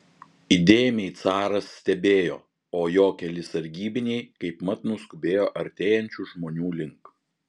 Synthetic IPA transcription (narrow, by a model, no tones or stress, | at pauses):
id̪ʲeːjmʲɛɪt̪sɑːɾɐsːʲt̪ʲɛbʲeːjo̰ː | oːjoːkʲɛlʲɪsɐɾʲɡʲiːbʲɪnʲɛɪkɐɪpmɐt̪nʊskʊbʲeːjoːʔɐɾʲt̪ʲeːjɛnʲt͡ʃʲuʒmoːnʲuːlʲɪŋk